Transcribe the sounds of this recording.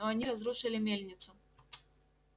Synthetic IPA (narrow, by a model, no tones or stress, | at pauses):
oɐnʲiɾɐzɾuʂɨlʲɪmʲelʲnʲɪt̪sʊ